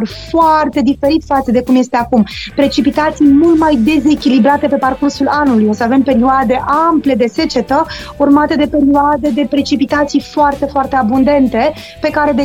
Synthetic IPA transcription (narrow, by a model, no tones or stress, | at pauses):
rfoart̪e̞d̪ife̞ɾit̪fat̪səd̪e̞kumje̞st̪e̞akumpɾe̞t͡ʃipit̪at̪sijmult̪majd̪e̞ze̞kʲilibɾat̪e̞pe̞parkursulanulujo̞səave̞mpe̞ɾioad̪e̞ʔample̞d̪e̞se̞t͡ʃe̞t̪ə | urmat̪e̞d̪e̞pe̞ɾioad̪e̞d̪e̞pɾe̞t͡ʃipit̪at̪sijfoart̪e̞foart̪e̞abund̪e̞nt̪e̞ | pe̞kaɾe̞d̪